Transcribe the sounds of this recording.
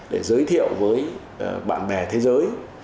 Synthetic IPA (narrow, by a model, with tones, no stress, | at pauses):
ɗe˧˩zəː˨˦jt̪ʰḭ˧˨əwvəː˨˦j | ɓa̰ː˧˨nɓɛ˨˩t̪ʰe˨˦zəː˨˦j